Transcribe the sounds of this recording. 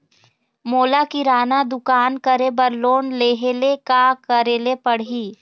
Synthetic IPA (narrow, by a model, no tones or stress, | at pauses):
moːlakiɾaːnad̪ʊkaːnkəɾebəɾloːnleːɦeːlekakəɾeːlepɐɽ̤iː